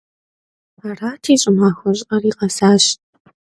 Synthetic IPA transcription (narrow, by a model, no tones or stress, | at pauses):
aːraːtʰiːɕʼɪmaːxʷɔɕʼqɐriːqʼɐsaːɕ